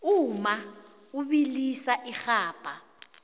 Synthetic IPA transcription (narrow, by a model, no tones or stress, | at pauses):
uma | uɓilisaʔixaːpʼa